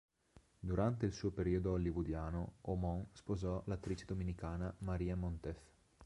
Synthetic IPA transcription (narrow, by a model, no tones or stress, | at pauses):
d̪uɾant̪eilsuːopeɾiːod̪oolːivud̪jaːnoomɔŋspozɔlat̪ːɾit͡ʃe̥d̪ominikaːnamaɾiːamɔnt̪ef